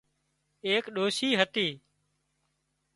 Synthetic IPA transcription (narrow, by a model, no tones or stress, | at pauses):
eːkɗoːʃiːɦət̪iː